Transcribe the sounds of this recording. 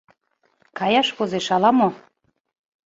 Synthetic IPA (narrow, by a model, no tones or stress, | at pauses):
kɑjɑʃkozeʃɑlɑmo